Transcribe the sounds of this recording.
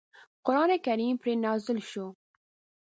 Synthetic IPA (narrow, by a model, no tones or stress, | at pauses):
qʊɾɑːnekɐɾiːmpɾeːnɑːzɪlʃo